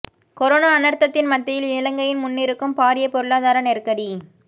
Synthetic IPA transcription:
kɔɾoːnaːnɐɾt̪ːɐt̪ːɪnmɐt̪ːɐjɪlɪlɐŋɡɐjɪnmʊnːɪɾɯkːɯmpaːɾɪjɐpɔɾɯɭaːðaːɾɐnɛɾkɐɽi

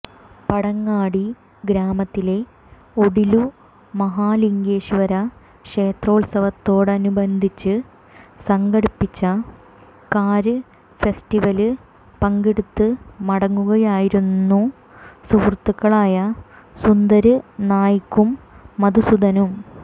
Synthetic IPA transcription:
pɐɽɐŋːaːɽi | ɡɾaːmɐt̪ːile̞ | o̞ɽilu | mɐɦaːliŋɡeːɕiʋɐɾɐ | ʂe̞ːt̪ro̞ːɭsɐʋɐt̪ːo̞ːɽɨɐnubɐnd̪ʱit͡ɕːɨ | sɐŋɡɐɽipːit͡ɕːɐ | kaːɾɨ | fesʈiʋɐlɨ | pɐŋɡeɽut̪ːɨmɐɽɐŋːuɣɐjaːjiɾunːu | suːrt̪ːukːɐɭaːjɐ | sund̪ɐɾɨnaːjikːumːɐd̪usud̪ɐnum

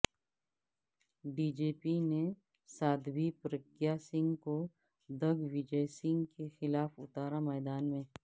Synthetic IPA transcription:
ɖiːd͡ʒeːpine | saːd̪bipɾəkjasɪ̃ŋɡko | d̪ɐɡʋɪd͡ʒəjsɪ̃ŋɡkexɪlaːfʊt̪aːɾamɛːd̪aːnmẽ

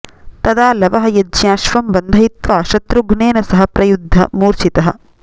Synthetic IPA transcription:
t̪ɐd̪aːlɐʋɐɦɐjɐd͡ʒjaːʃʋɐmbɐnd̪ʱɐit̪ʋaːʃɐt̪ɾuɡneːnɐsɐɦɐpɾɐjud̪ʱːɐ̰muːɾt͡ʃit̪ɐɦɐ̆

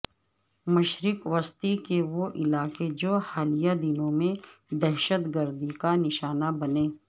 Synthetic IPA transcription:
mɐʃɾɪkʋəst̪ikeʋoʔɪlaːked͡ʒoːxaːlijad̪ɪnõmẽd̪ɛɦʃət̪ɡəɾd̪ikanɪʃaːnabɐneː

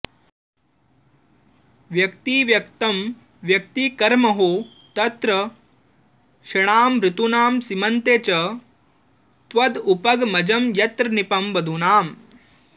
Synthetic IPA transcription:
ʋjɐkt̪iːʋjɐkt̪ɐm | ʋjɐk̚t̪iːkɐɾmɐɦoː | t̪ɐt̪ɾɐ | ʃɐɳ̃aːmɾɪt̪unaːmsimɐnt̪eːt͡ʃɐ | t̪ʋɐd̪upɐɡmɐd͡ʒɐmjɐt̪ɾɐnipɐmbɐd̪ʱunaːm

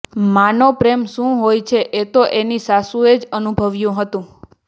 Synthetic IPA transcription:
manopɾemʃũɦojt͡ʃʰeʔet̪oʔenisasued͡ʒənubʱəʋjũɦət̪ũ

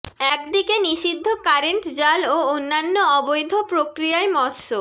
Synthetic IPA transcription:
ɛkd̪ikeniʃid̪ʱːokaɾeɳʈd͡ʑaloonːanːoɔbojd̪ʱopɾokɾijaemɔɾʃo

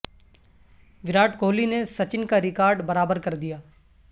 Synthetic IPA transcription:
ʋɪɾaːʈkoːlinesɐt͡ʃɪnkaɾɪkaːɾɖbɐɾaːbəɾkɐɾd̪ijaː

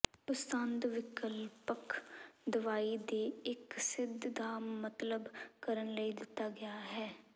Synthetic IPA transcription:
ʊst̪ənd̪ʋɪkəlpəkd̪əʋaːiːd̪eːɪksɪd̪ʱːaːmːət̪ləbkəɾənləiːd̪ɪt̪ːaːɡɪjaːɦɛː

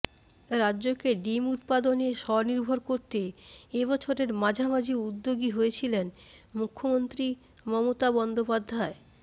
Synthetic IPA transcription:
ɾadːʑokeɖimut̪̚pad̪oneʃɔɾniɾbʱoɾkoɾt̪eebɔt͡ɕʰoɾeɾmad͡ʑʱamad͡ʑiud̪ːoɡiɦojet͡ɕʰilen | mukʰːomont̪ɾi | mɔmot̪abɔnd̪opad̪ʱːae

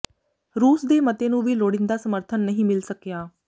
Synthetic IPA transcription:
ɾuːsd̪eːmət̪eːnũːʋiːloːɽɪnd̪aːsəməɾt̪ʰənːəɦĩːmɪlsəkjaː

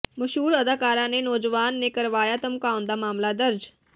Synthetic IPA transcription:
mɐʃɦuːɾɐd̪aːkaːɾãːnenɔːd͡ʒʋaːnːẽkɐɾʋaːjat̪ɐmkaːʊnd̪aːmaːmlad̪ɐɾd͡ʒ

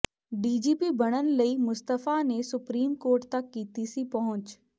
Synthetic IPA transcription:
ɖiːd͡ʒiːpibəɽ̃ənləiːmʊst̪əfanesʊpɾiːmkoːɾʈt̪ɐkːiːt̪isipɐɦʊ̃ɲt͡ʃ

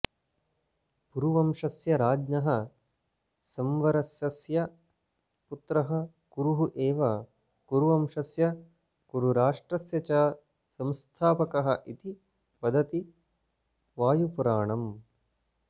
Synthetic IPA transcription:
kuɾuʋɐmʂɐsjɐɾaːd͡ʒnɐɦɐ | sɐmʋɐɾɐsjɐsjɐ | put̪ɾɐɦɐ̆ | ɡ̥uɾuɦuʔeːʋɐ | kuɾuʋɐmʂɐsjɐ | kuɾuɾaːʂʈɾɐsjɐt͡ʃaː | sɐmst̪ʰaːpɐkɐɦɐ̰ʔit̪i | pɐd̪ʱɐt̪i | ʋaːjupuɾaːɳɐm

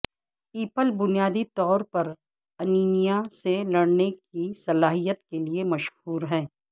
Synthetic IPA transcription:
iːpəlbʊnijaːd̪it̪ɔːɾpɐɾ | ɐniːnijaselɐɽnekisɐlaːɦijət̪keliemɐʃhuːɾɦɛ̃ː

